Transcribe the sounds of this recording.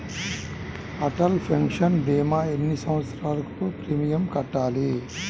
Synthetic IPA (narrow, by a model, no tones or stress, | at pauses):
ɐʈɐlpʰɐŋkʂɐnbeːmaːenːisɐmʋɐt̪sɐɾaːlɐkupɾiːmijɐmkɐʈːaːli